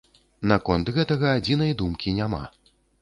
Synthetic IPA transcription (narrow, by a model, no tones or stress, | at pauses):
nakɔnt̪ɣɛt̪ɐɣɐad͡zʲinɐjd̪umkʲinʲama̰